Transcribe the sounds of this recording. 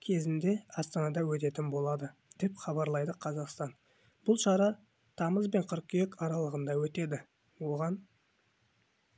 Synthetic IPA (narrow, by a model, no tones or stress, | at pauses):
kʲʰe̞zɪnd̪e̞ɑst̪ɑnɑd̪ɑwɵt̪e̞t̪ɪnbo̞lˠɑd̪əd̪̥e̞pχɑbɑɾlˠɑjd̪əqʰɑzɑqst̪ɑn | b̥ʊlˠʃɑɾɑ | t̪ʰɑməzbe̞ɴqʰʏɾq̚kʲʰejekɑɾɑlˠəʁənd̪ɑwɵt̪e̞d̪ɪ | wo̞ʁɑn